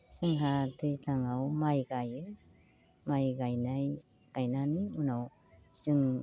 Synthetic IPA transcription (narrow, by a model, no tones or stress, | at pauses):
sɯŋɦatʰɯztʰaŋawmajɡajɯ | majɡajnaj | ɡ̥ajnaniunaw | sɯŋ